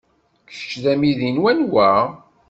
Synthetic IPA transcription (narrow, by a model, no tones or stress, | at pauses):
kθə̥t͡ʃːðæmiðinwænwæ